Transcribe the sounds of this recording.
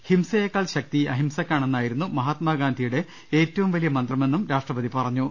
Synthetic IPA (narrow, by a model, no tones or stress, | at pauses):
himsɐjɐkːaːɭɕɐk̚t̪iɐɦimsɐkʲːaːɳe̞nːaːjiɾunːumɐɦaːt̪maːɡaːnd̪ʱijuɽe̞ | e̞ːtːɐʋumʋɐlijɐmɐnd̪rɐme̞nːumɾaːʂʈrɐbɐðipɐrɐɲːu